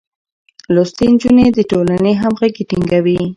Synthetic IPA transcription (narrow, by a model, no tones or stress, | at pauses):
lost̪end͡ʒuned̪əʈolaneɦamɣaɡeʈiŋɡawi